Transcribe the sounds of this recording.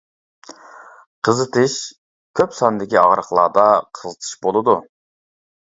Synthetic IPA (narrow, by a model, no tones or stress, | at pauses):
qʰəzɨt̪ʰɨʃ | kʲʰøpsɑnd̪ɪkʲiɑ̰ʁɾəχlˠɑ̰ːd̪ɑqʰəzɨt̪ʰɨ̥ʃbolˠɨd̪u